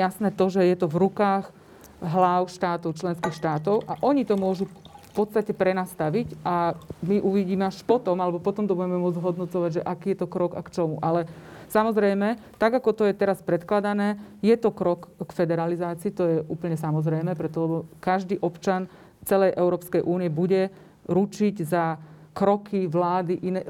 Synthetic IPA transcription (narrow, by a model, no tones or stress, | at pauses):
jasnɛːt̪ɔʒɛjɛt̪ɔvɾukaːɣ | ɦlaʊʃt̪aːt̪ɔʊt͡ʃlɛnskiːxʃt̪aːt̪̬ɔʊʔaʔɔɲit̪ɔmʊɔʒufpɔt̪t͡sst̪acɛpɾɛnast̪aʋicʔamiʔuʋiɟiːmɛaʃpɔt̪ɔmalɛbɔpɔt̪ɔmt̪ɔbuɟɛmɛmʊɔd͡zzɦɔd̪nɔt͡sɔʋaɟʒɛʔakiːjɛt̪ɔkɾɔɡa̰kt͡ʃɔmṵʔalɛsamɔzɾɛjmɛt̪aɡakɔt̪ɔjɛt̪ɛɾaspɾɛt̪klad̪anɛːjɛt̪ɔkɾɔkkfɛd̪ɛɾalizaːt͡siːt̪ɔjɛʔuːpl̩ɲɛsamɔzɾɛjmɛːpɾɛt̪ɔlɛbɔkaʒd̪iːʔɔpt͡ʃan | t͡sɛlɛjʔɛʊɾɔːpskɛjʔuːniɛbuɟɛ | ɾut͡ʃiɟza | kɾɔkʰiʋlaːd̪iʔinɛ